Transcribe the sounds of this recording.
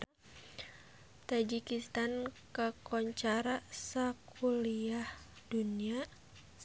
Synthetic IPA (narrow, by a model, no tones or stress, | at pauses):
t̪ad͡ʒikist̪ankəkɔɲt͡ʃaɾasakuliah | dunia